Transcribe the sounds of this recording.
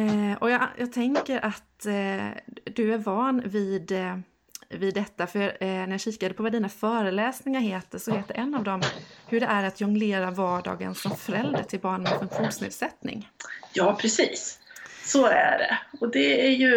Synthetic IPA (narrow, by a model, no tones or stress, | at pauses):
ʔɔjɑjɑːɡ̚t̪ʰɛŋkəɾʔat̪ | d̪ɵæɾvɑːnvɪd̪ | vɪd̪ːɛt̪ːafœjnæɾjɑɕiːkad̪əpʰɔvad̪iːnafœːɾəlɛːsnɪŋaɾɦeːt̪əʂɔheːt̪əd̪ɛʔɛnːavd̪ɔmhɵɖɛʔæɾat̪jɵŋleːɾavɑːɖɑ̰ːɡə̰nfɾɔnfœɾɛld̪ə̰ʈʰɪlbɑːɳnmɛfɵŋkɧuːnsnḛːd̪sɛt̪nɪ̰ŋjɑːpʰɾɛsiːsː | ɔæ̰ɖɛ̰ɔd̪ɛæjɵ